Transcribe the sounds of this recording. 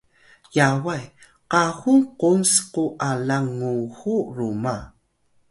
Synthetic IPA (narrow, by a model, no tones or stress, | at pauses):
jawaj | qaxuŋqonsquʔalaŋuxuɾuma